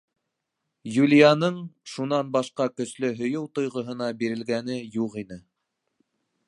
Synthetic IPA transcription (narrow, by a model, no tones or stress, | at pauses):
julʲijanɤɴʃun̪ɑnbɑʃqɑkɵ̆slɵɦɵ̆jɤwt̪ŏjʁŏɦɤ̆nɑbiɾɘ̆lɡæn̪ɘjuqinɘ